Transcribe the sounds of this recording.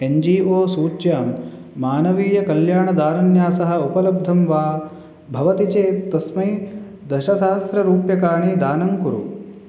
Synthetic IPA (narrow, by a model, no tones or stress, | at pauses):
eɲd͡ʒiːoːsuːt͡ʃjaːmː | aːnɐʋiːjɐkɐljaːɳɐd̪aːnɐnjaːsɐɦɐ̆upɐlɐb̚d̪ʱɐmʋaː | bʱɐʋɐt̪it͡ʃeːt̪ːɐsmɐj | d̪ɐʃɐʃaːst̪ɾɐɾuːpjɐkaːɳid̪aːnɐŋkuɾṵ